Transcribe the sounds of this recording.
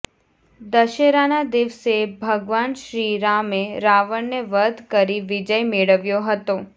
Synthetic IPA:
d̪əʃeɾanad̪ɪʋsebʱəɡʋanʃɾiɾameɾaʋəɳneʋəd̪ʱkəɾiʋɪd͡ʒəjmeɭəʋjoɦət̪o

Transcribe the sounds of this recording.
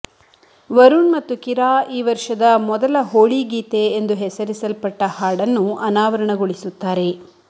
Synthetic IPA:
ʋɐɾuɳmɐt̪ːukiɾaːiːʋɐɾʂɐd̪ɐmɔd̪ɐlɐɦoːɭiɡiːt̪e̞ːnd̪uɦɛsɐɾisɐlpɐʈːɐhaːɽɐnːuɐnaːʋɐɾɐɳɐɡoɭisut̪ːaːɾe̞

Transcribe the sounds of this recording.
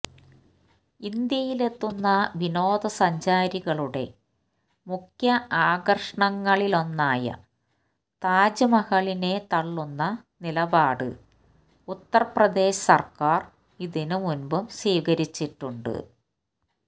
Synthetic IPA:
ind̪jɐjile̞t̪ːunːɐʋino̞ːd̪ɐsɐɲd͡ʑaːɾiɣɐɭuɽe̞̰ | mukʰjɐaːɡɐrʂɐɳɐŋːɐɭilo̞nːaːjɐ̰ | t̪aːd͡ʑɐmɐɣɐɭine̞t̪ɐɭːunːɐnilɐbaːɽɨ̰ | ut̪ːɐrɐprɐd̪e̞ːɕɐ̥sɐrkaːr | iðinɨmunbumsiːkɐɾit͡ɕːiʈːuɳɖɨ̰

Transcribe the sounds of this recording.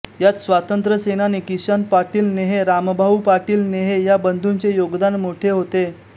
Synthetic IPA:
jat͡ssʋat̪ənt̪ɾəsenanekiɕənpaɾʈiːlneɦeɾambʱaʋupaɾʈiːlneɦejabənd̪ʱunt͡sejoɡd̪anmoʈʰeɦot̪e

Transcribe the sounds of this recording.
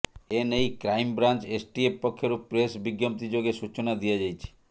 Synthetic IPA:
enejkɾajmbɾant͡ʃesʈiepːɔkʰːjoɾupɾesbiɡjɔm̚t̪id͡ʒoɡesut͡ʃɔnad̪iad͡ʒajt͡ʃʰi̥

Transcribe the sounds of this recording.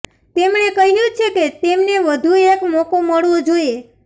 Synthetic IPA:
t̪emɳekəɦiɾjũt͡ʃʰeket̪emneʋəd̪ʱuekmɔkoməɭʋod͡ʒoie

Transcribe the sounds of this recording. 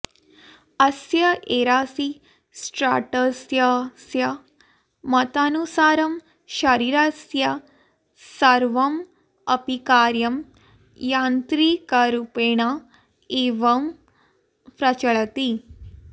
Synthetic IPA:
ɐsjɐʔeɾaːsi | sʈɾaʈəsjasjɐ | mɐt̪anusaːɾɐm | ʃɐɾiɾasjɐ | sɐɾʋɐm | ɐpikaːɾjɐm | jant̪ɾikaɾupeɳ̃a | eʋɐm | pɾɐt͡ʃɐɭt̪i

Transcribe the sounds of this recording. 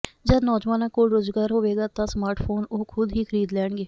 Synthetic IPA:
d͡ʒənɔːd͡ʒʋaːnãːkoːlɾoːzɡaːɾɦoːʋeːɡaːt̪ãːsmaːɾʈpʰoːnoːkʰʊd̪ɦiːkʰəɾiːd̪lɛːɳɡeː

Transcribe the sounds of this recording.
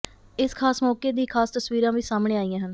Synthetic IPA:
ɪskʰaːsmɔːkeːd̪iːkʰaːst̪əsʋiːɾãːʋiːsaːmɳeːaːijãːɦən

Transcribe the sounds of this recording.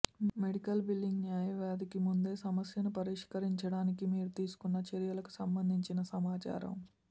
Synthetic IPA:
meɽikɐlbilːiŋɡnjaːjɐʋaːd̪ikimund̪e̞ːsɐmɐsjɐnupɐɾiʂkɐɾiɲt͡ʃɐɽaːnikimiːɾut̪iːsu̥kunːɐt͡ʃɐɾijɐlɐku̥sɐmbɐnd̪ʱiɲt͡ʃinɐsɐmaːt͡ʃa̰ːɾɐ̰m

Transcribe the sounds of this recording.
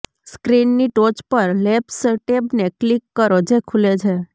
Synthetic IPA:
skɾinːiʈot͡ʃpəɾlepsəʈebneklikːəɾod͡ʒekʰulet͡ʃʰe

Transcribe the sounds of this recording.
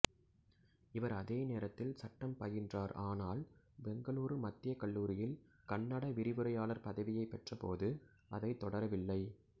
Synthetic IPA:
ɪʋɐɾɐðeːneːɾɐt̪ːɪlsɐʈːɐmpɐjɪndraːɾaːnaːl | bɛŋɡɐɭuːɾɯmɐt̪ːɪjɐkɐɭːuːɾɪjɪl | kɐɳːɐɽɐʋɪɾɪʋɯɾɐjaːlɐɾpɐðɐʋɪjɐɪpːɛʈrɐpoːðɯ | ʔɐðɐɪt̪ːɔɽɐɾɐʋɪlːɐɪ

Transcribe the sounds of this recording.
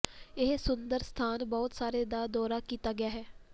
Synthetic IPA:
ɪɦsʊnd̪əɾst̪ʰaːnbɔːt̪saːɾeːd̪aːd̪ɔːɾaːkiːt̪aːɡɪjaːɦɛː

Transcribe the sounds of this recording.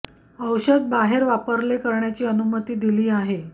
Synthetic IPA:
əwɕəd̪̚baɦeɾʋapəɾlekəɾɳjat͡ɕiːənumət̪iːd̪iliːaɦe

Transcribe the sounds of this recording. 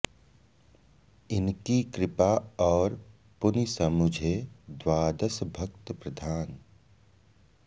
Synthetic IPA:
ɪnkikɾɪpaɔːɾ | pʊnisəmʊd͡ʒʱed̪waːd̪əsbʱəkt̪əpɾəd̪ʱaːn

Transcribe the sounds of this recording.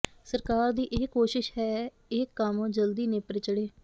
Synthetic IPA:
səɾkaːɾd̪iːʔɪːkoːʃɪʃɦɛː | ɪːkːaːmõːd͡ʒəld̪iːneːpɾɪt͡ʃəɽeː

